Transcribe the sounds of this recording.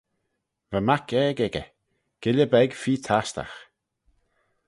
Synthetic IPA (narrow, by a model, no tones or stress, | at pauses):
vəmakʰɛːɡɛɡə | ɡ̥ɪlʲəbɛɡfiːt̪ʰast̪a̰x